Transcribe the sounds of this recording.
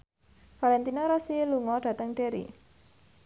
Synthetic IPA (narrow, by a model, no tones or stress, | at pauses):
falɛnt̪inaɾɔsiluŋɔɖ̥ä̤t̪əŋɖ̥e̤ɾḭ